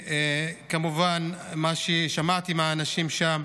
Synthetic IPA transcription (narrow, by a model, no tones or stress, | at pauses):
ekamuvanmaʃiʃamat̪imaːnaʃimʃam